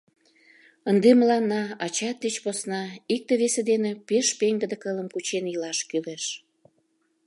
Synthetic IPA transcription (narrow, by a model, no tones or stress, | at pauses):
ənd̪eməlɑnːɑɑt͡ɕɑt̪̚d̪et͡ɕposnɑik̚t̪eβesed̪enepeʃpeŋɡəd̪ə̆kələmkut͡ɕenjəlɑʃkyleʃ